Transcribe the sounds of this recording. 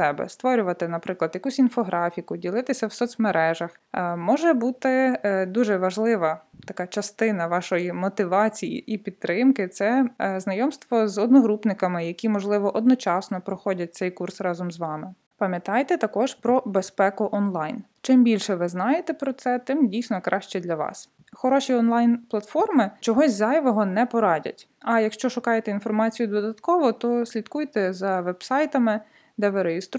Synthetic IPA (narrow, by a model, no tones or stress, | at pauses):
sɛbɛ̰st̪ʋɔɾʲʊʋɐt̪ɪnɐpɾɪklˠɐd̪jɐkusʲinfɔɦɾʔɑfʲikʊdʲilˠɪt̪ɪsʲɐwsɔt͡sʲmeɾʔɛʒɐx | mɔʒɛbut̪ɪd̪uʒɛʋɐʒlˠɪʋɐt̪ɐkɑt͡ʃɐst̪ɪnɐʋɑʃɔjimɔt̪ɪʋɑt͡sʲijḭʔipʲid̪̚ɾɪmkɪt̪sɛznɐjɔmst̪ʋɔzɔd̪nɔɦɾupnɪkɐmɪjɐkʲimɔʒlˠɪʋɔʔɔd̪nɔt͡ʃɑsnɔpɾɔxɔdʲɐt̚ʲt̪sɛjkursrɑzɔmzʋɑmɪ | pɐmʲjɐt̪ɑjt̪ɛt̪ɐkɔʒpɾɔbespɛkʊʔɔnlˠɑjn | t͡ʃɪmbʲilʲʃɛʋɪznɑjet̪ɛpɾɔt̪sɛt̪ɪmdʲijsʲnɔkɾʔɑʃt͡ʃɛd̪lʲɐʋɑ̰s | xɔɾɔʃʲiɔnlˠɑjnplˠɐt̪fɔrmɪt͡ʃɔɦɔzʲzɑjʋɔɦɔnɛpɔɾɑdʲɐ̰tʲ | ɐjɐkʃt͡ʃɔʃʊkɑjet̪ɛinfɔrmɑt͡sʲijʊd̪ɔd̪ɐt̪kɔʋɔt̪ɔsʲlʲid̪kujt̪ɛzɐʋɛbsɑjt̪ɐmɪ | d̪ɛʋɪɾejɪst̪ɾ